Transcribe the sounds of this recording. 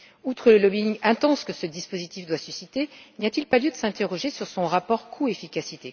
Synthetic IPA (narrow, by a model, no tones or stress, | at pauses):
ut̪χələlɔbiiŋɛ̃t̪ɑ̃skəsəd̪ispozit̪ifd̪wasysit̪enijat̪ilpaljød̪əsɛ̃t̪eʁɔʒesyʁsɔ̃ʁapɔʁkʰuefikʲasit̪e